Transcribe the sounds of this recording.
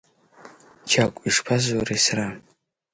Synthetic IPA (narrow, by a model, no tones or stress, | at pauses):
t͡ʃʰakʷʼiʂpʰazwaɾesra